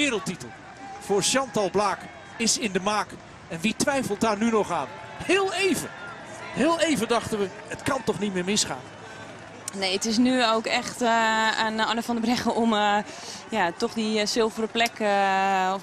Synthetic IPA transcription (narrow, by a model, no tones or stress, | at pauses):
ɪːɾəlˠtitəlˠ | v̥oːrʃɑntɑlˠblaːk | ɪsɪndəmaːk | ɛnʋitʋɛjfəlˠt̚daːrnynɔχaːn | hɪːlˠejvə̰ | hɪːlˠejvədɑχtənʋə | ətkɑntɔχnit̚mɪːɹmɪsχa̰ːn | nejətɪs̬nyowkɛxtanɔnəfɔndəbrɛxəɔm | jatɔχdisɪlˠvəɾəplɛk